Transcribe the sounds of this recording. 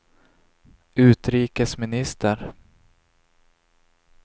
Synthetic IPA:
ʉ̟ːt̪ɾiːkəsmɪnɪst̪əɾ

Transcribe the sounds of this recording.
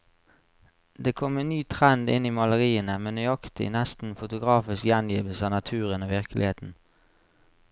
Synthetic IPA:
d̪eːkʰɔmenyːt̪ʰʁɛnd̪ɪ̰niːmɑləʁiːənəmeːnyɑkt̪ɪ̰næst̪n̩fʊt̪ʊɡʁɑːfɪskjɛnjiːʋəl̩sɑːnɑt̪ʰʉːʁənoːʋɪʁklʔɪ̰heːt̪n̩

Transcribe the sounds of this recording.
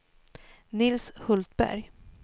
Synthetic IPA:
nɪlshɵlt̪bæ̰ɾj

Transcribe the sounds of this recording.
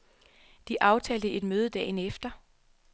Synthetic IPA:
d̥iʔɑ̈ʊt͡sʰɛːld̥əʔe̝d̥møːð̞ˠəd̥ɛ̰ːnefd̥ɐ

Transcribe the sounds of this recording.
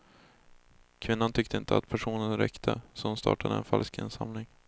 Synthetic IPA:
kʰvɪnːant̪ʰʏkt̪əɪnt̪ʰəat̪pʰæʂuːnənɾɛkt̪ʰəsɔhʊnst̪ɑ̰ːʈad̪əɛnfalskɪ̰nsa̰mlɪŋ

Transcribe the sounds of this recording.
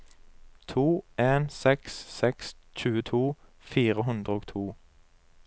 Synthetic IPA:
t̪ʰuːʔeːnsɛkssɛks | c͡çʉːət̪ʰuː | fiːʁəɦʉnd̪ʁəoːɡt̪ʰuː

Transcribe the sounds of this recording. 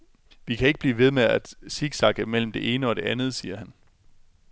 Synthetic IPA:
ʋikʰæe̝ɡ̥əb̥liːʋe̝ð̞ˠmeæd̥siɡ̥sɑ̈ɡ̥əmel̰m̩d̥e̝ʔe̝ːnəɒ̽ɾ̥e̝ænð̞̩ˠsiːɐhæn

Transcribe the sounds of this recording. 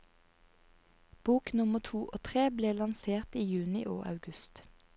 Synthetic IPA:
b̥uːknʊmət̪ʰuːʔoːt̪ʰʁeːbleːlɑnseːʁt̪iːjʉːnɪʔo̰ːʔɑ̰ʉɡʉst̪

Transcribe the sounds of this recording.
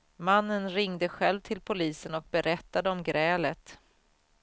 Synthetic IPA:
manːənɾɪŋd̪əɧɛlvt̪ʰɪlpʰʊliːsənɔk̚bɛɾʔɛt̪ːad̪əɔmɡɾɛːlət̪

